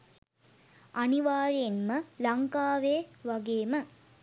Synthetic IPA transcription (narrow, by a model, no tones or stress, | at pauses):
ɐniʋaːɾijenməlaŋkaːʋeːʋaɡeːmə